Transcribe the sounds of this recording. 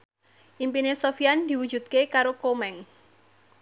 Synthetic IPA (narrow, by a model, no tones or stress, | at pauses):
ʔimpinesofiand̪̥i̤wud̥ʒ̥ṳt̪̚kekaɾokomɛŋ